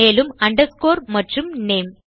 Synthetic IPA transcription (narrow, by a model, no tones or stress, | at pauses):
eːlɯmɐɳɖɐskoːɾmɐʈrɯmneːm